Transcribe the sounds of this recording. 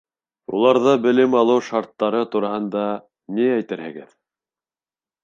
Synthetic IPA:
ṵlˠɑɾðɤbɘ̆lɘmɑlˠɤwʃɑɾt̪ːɑɾɤt̪uɾɑhɤ̆nd̪ɑ | niæjt̪ɘɾhɘ̆ɡɘð

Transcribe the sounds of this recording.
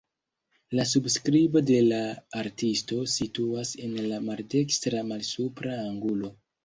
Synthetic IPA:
las̬ubskɾibo̞de̞laːɾtisto̞situase̞nlamalde̞kstɾamalsupɾaːŋɡulo̞

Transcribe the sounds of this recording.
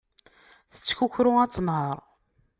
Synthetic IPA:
θə̥t͡sːçuçɾʊat͡sːˤənhəɾˤ

